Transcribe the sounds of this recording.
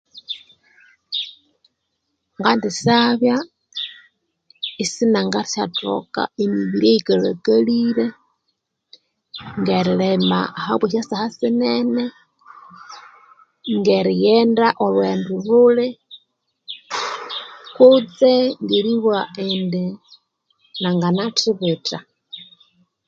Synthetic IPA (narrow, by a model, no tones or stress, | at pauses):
ŋɡandisaβja | isinaŋɡaɾisato̰ka̰emiβiɾieikala̰kalile | ŋɡeɾilema̰haβweʃasahasinɛnɛ | ŋɡɛɾijɛndaʔolwendululɛ | kut͡sɛŋɡiɾiβwaendi | naŋɡanatiβeta